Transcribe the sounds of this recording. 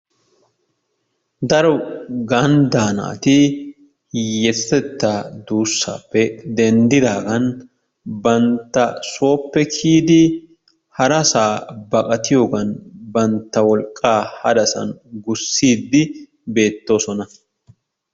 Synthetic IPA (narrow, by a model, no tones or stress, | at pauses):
d̪ɐɾɔɡɐnd̪aːna̰ːt̪ɪ | jɛst̪ɛt̪ːaːd̪uːsːa̰ːpːɛd̪ɛnd̪ɪd̪aːɡɐn | bɐnt̪ːɐso̞ːpːɛkʰiːd̪ɪ | hɐɾɐsaːbɐkʼɐt̪ɪjo̞ːɡɐnbɐnt̪ːɐwɔlkʼːaːhɐd̪ɐsɐ̰nɡʊsːiːd̪ːɪ | be̞ːt̪ːo̞ːsɔnɐ